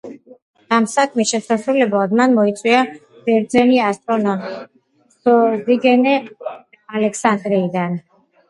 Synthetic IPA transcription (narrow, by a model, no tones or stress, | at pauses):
amsakʰmisʃɛsaʃɾulɛblad̪manmɔit̪sʼwia | b̥ɛɾd̪zɛniast̪ʼɾɔna | sɔziɡɛnɛ | alɛkʰsand̪ɾiːd̪an